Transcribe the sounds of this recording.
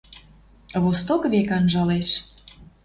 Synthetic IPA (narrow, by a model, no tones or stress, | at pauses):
βost̪okβekɑnʒɑleʃ